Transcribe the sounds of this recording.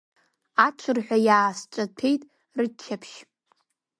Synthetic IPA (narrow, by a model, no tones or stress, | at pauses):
at͡ʃʷʰɨrħʷᶣajaːst͡ʃʷʼapʰe̞jtʼ | rɨt͡ʃʰːapʰʃ